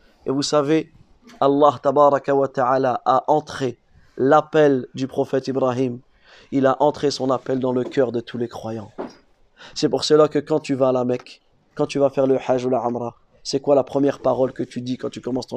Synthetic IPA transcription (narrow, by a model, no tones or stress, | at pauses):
evusave | alˠːɑɦt̪abɑɾˤɑkawat̪aʕaːlaʔaʔɑ̃t̪χe | lapɛld̪ypχɔfɛt̪ibɾɑɦim | ilaʔɑ̃t̪χesɔ̃napɛld̪ɑ̃ləkʲœʁd̪ət̪ʰulɛkχwajɑ̃ | sɛpuʁsəlakəkɑ̃t̪yvaːlamɛkː | ɑ̃t̪yvafɛʁləħaʒulaʕɔmɾɑ | sɛkwalapχəmjɛʁpaʁɔlkət̪yd̪ikɑ̃t̪ykɔmɑ̃st̪ɔ̃